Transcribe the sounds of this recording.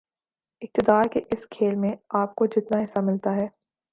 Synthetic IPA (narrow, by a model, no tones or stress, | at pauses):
ɪk̚t̪ɪd̪aːɾkeʔɪskʰeːlmẽaːp̚kod͡ʒɪt̪naɦɪsːamɪlt̪aɦɛː